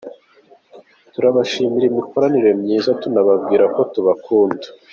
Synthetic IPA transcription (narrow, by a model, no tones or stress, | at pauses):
tuɾaβaʃiːmiɾimikoɾaniɾe̞mɲiːzatunaβab̚ɡiːɾako̞tuβakʰuːndḁ